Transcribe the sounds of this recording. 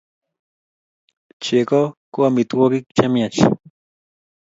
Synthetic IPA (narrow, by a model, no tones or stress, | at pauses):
t͡ʃekokuamit̪uwokikt͡ʃamiat͡ʃ